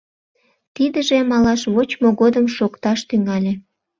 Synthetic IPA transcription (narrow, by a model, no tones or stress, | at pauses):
t̪id̪əʒemɑlɑʃβot͡ɕmoɣod̪əmʃokt̪ɑʃt̪yŋɑlʲe